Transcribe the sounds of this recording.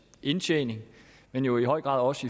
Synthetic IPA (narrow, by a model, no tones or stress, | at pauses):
ʔe̝nt͡ɕʰḛːne̝ŋ | menjo̝iɦɒ̽ɪ̰ɡ̥ʁɑ̰̈ðˠɒ̽səi